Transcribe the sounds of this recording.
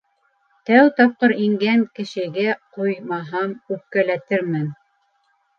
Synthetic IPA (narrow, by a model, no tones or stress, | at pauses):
t̪æwt̪ɑp̚qɤɾiŋɡæŋkɘ̆ʃɘ̆ɡæqujmɑɦɑmʉp̚kːælæt̪ɘɾmɘn